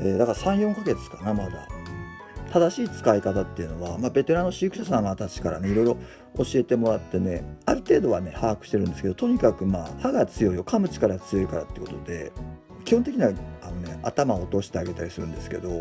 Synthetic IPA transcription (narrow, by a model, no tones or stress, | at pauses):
e̞ːd̪akaɾasãɰ̃jõ̞ŋkaɡe̞t͡sɨ̥kanamad̪a̰ | t̪ad̪aɕiːt͡sɨ̥kaikat̪at̪ːe̞iɯ̟no̞βamaːbe̞t̪e̞ɾãnːo̞ɕiɯkɯ̟̥ɕas̬ãɰ̃at̪at͡ɕi̥kaɾa̰ne̞iɾo̞iɾo̞ | oɕie̞t̪e̞mo̞ɾat̪ːe̞ne̞aɾɯ̟t̪e̞ːd̪o̞βane̞haːkɯ̟ɕi̥t̪e̞ɾɯ̟̃nd̪eɨ̥keot̪o̞ɲ̟ikakɯ̟maːhaɡat͡sɨjo̞ijo̞kʰamɯ̟t͡ɕi̥kaɾaɡt͡sɨjo̞ikaɾa̰t̪ːeɯko̞t̪o̞d̪e̞ | kʲihõnt̪ekʲiɲ̟iaano̞ne̞at̪amao̞t̪o̞ːɕi̥t̪e̞aɡe̞t̪aɾʲisɨɾɯ̟̃nd̪e̞sɨ̥ke̞̰d̪o̞